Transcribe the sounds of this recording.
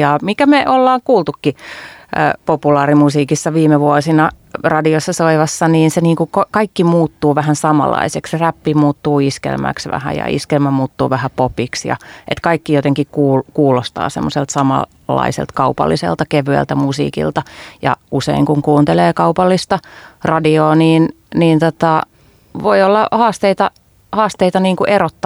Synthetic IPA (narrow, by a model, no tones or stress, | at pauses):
jɑmikæmeʔolːɑːŋkuːlt̪ukːi | populɑːrimusiːkisːɑʋiːmeʋuosinɑ | rɑdiosːɑsoiʋɑsːɑniːnseniːŋkukokɑikːimuːt̪ːuːʋæhænsɑmɑ̰lːɑ̰iseksræpːimuːt̪ːuːiskḛlmæ̰ksʋæ̰hæ̰jɑ̰ḭskelmæmuːt̪ːṵːʋæhæpopiksjɑ̰ʔḛt̪kɑikːijot̪eŋkikkuːlkuːlost̪ɑ̰ːsemːoselt̪sɑmɑ̰ | lːɑ̰isḛlt̪kɑupɑ̰lːisḛlt̪ɑkeʋyæ̰lt̪æmusḭːkḭlt̪ɑjɑ̰usḛiŋkuŋkuːnt̪eleːkɑupɑlːist̪ɑrɑdioːniːn | niːnt̪ot̪ɑ | ʋoiolːɑhɑːst̪eit̪ɑ | hɑːst̪eit̪ɑniːŋkuʔeɾot̪ːɑ